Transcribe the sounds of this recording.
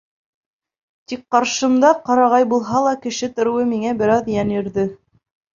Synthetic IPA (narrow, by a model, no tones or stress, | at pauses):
t̪ik̚qɑɾʃɤ̆md̪ɑqɑɾɑʁɑjbulˠɦɑlˠɑkɘ̆ʃɘt̪ŏɾɘ̆wɤmiŋæbɘ̆ɾɑðjænjɵ̆ɾðɘ